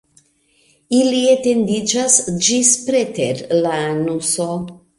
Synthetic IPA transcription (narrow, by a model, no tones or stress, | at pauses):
iliet̪end̪id͡ʒasd͡ʒispɾet̪eɾlaːnuso